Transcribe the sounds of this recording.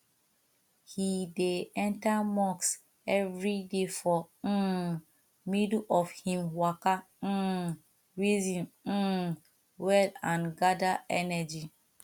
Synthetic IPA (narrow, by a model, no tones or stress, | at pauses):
hideɛ̃ntamɔks | ɛvɹidefɔ | midɔfhĩmwaka | ɹizĩn̩ | wɛlãnɡadaɛnɛd͡ʒi